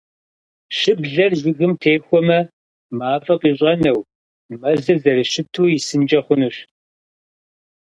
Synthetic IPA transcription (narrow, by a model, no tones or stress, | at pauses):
ʃɪbɮɐrʒʷɪɣɨmtʰeːxʷɔmɐ | maːfʼɐqiːɕ̬ʼɐnɐw | mɐzɨvzɐɾɨʃɪtʰuːjɪsɨnd͡ʒɐχʷʊnɨɕ